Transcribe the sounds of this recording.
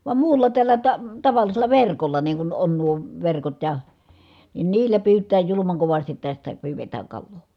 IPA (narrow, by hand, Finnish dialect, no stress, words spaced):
ʋɑm muːlːɑ tælːæ tɑ tɑʋɑlːiselɑ ʋerkolːɑ niːŋ kun on nuo ʋerkot jɑ nin niːlːæ pyːtˑæː julumɑŋ koʋɑstit tæstæ pyːʋetæːŋ kɑlːoː